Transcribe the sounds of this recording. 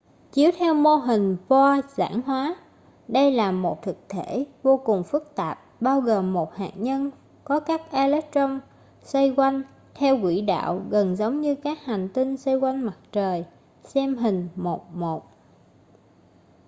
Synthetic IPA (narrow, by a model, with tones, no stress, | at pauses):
t͡ɕi˨˦əwt̪ʰɛ˧wmo˧ɦï˨˩ŋ̟vɔ˧za̰ː˧˥nɦwaː˨˦ | ɗə˧jlaː˨˩mo˨˩t̚t̪ʰɨ˨˩k̚t̪ʰe˧˩vo˧kʊ˨˩ŋ͡mfɨ˦˥k̚t̪aː˨˩p̚ɓaː˧wɣəː˨˩mːo˨˩t̚ha̰ː˧˨ʔ̚ɲə˧n | kɔ˨˦kaː˦˥k̚ʔaː˧lɛ˦˥t̚t͡ɕə˧ŋ͡m | sə˧jkwa˧jŋ̟ | t̪ʰɛ˧wkwḭ˧˩ɗa̰ː˧˨wɣə˨˩nzə˨˦wŋ͡mɲɨ˧kaː˦˥k̚ha˨˩jŋ̟t̪ï˧nsa˧jkwa˧jŋma˨˩t̚t͡ɕəː˨˩j | sɛ˧mɦï˨˩ŋ̟mo˨˩t̚mo˨˩t̚